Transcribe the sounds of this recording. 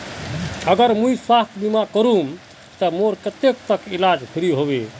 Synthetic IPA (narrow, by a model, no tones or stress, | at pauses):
əɡəɾmujswast̪ʰbimakəɾum | t̪əmoɾkət̪ek̚t̪əkilad͡ʒpʰiɾiɦobe